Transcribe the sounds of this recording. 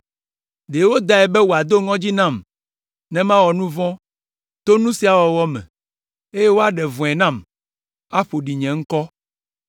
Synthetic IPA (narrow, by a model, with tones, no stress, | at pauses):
ɖe˨wo˦d̪a˦ɛ˨bɛ˦wo˨a˨d̪o˦ŋɔ̃˦d͡ʑi˦nã˦˨m | nɛ̃˦mã˦wɔ˨nũ˦vɔ̃˦ | t̪o˦nũ˦si˨˦a˨wɔ˨wɔ˦mɛ̰̃˨ | e˦je˦wo˦a˦ɖɛ˨vɔ̃˨ɛ˨nã˦˨m | a˦ɸo˨ɖi˨ɲɛ̃˨ŋ̩˦kɔ˦